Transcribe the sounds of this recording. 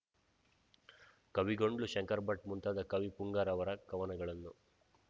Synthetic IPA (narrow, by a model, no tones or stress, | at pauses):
kɐʋiɡoɳɖluʃɐŋkɐɾbɐʈ̚munt̪aːd̪ɐkɐʋipuŋɡaːɾɐʋɐɾɐkɐʋɐnɐɡɐɭɐnːu